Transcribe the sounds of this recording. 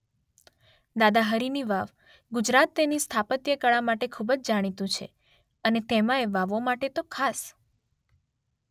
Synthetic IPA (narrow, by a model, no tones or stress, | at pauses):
d̪ad̪aɦəɾiniʋaʋ | ɡud͡ʒɾat̪ːenist̪ʰapət̪jəkəɭamaʈekʰubəd͡ʒd͡ʒaɽ̃it̪ũt͡ʃʰḛ | ənet̪emãeʋaʋomaʈet̪okʰas